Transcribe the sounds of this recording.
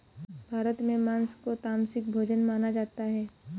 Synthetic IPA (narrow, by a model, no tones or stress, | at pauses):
bʱaːɾət̪mẽmãːnskot̪aːmsɪk̚bʱoːd͡ʒənmaːnad͡ʒaːt̪aɦɛː